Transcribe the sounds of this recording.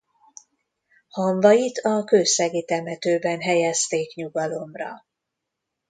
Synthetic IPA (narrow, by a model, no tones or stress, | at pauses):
hɒɱvɒjit̪ɒkøːsɛɡet̪ɛmɛt̪øːbɛnɦɛjɛst̪eːkɲuɡɒlo̞mrɒ̰